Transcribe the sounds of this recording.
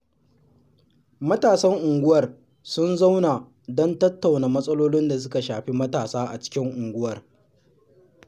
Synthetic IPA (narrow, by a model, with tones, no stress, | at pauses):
mɐ˦taː˨sɐ˦ŋʔʊ˨ŋɡʷʊ˦wɐ˨r | sʊ˦nza˦wna˨ | dɔ˦ntɐ˦tːa˨wnaː˨mɐ˦sʼɐ˦loː˦lɪ˦nda˨s̬ʊ˦ka˨ʃaː˨ɸi˦mɐ˦taː˨saː˦ʔa˨t͡ʃɪ̥˦kʲɪ˦ŋʔʊ˨ŋɡʷʊ˦wɐ˨r